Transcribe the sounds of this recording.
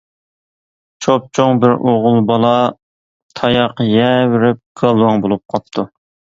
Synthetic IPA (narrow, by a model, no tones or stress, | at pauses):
t͡ʃʰop̚t͡ʃʰoŋbɪɾʔoʁʊlˠbɑlˠɑ | t̪ʰɑjɑqjɛwɪɾɪp̚ɡ̥ɑlˠwɑŋbolˠup̚qʰɑt̪ʰːu